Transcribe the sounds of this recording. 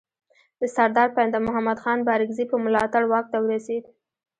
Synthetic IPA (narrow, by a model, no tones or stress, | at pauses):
d̪əsaɾd̪ɑɾpaand̪amʊɦamad̪xɑnbɑɾɪɡzipəmʊlɑt̪aɽwɑk̚t̪awəɾased̪